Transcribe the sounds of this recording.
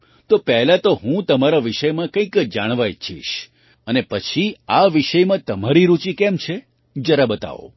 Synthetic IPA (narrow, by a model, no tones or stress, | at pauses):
t̪opɛɦlat̪oɦũt̪əmaɾaʋiʃəjmãkə̃ĩkd͡ʒaɽ̃ʋajt͡ʃʰḭʃ | ənepət͡ʃʰiaʋiʃəjmãt̪əmaɾiɾut͡ʃikɛmt͡ʃʰe | d͡ʒəɾabət̪a̰ʋo̰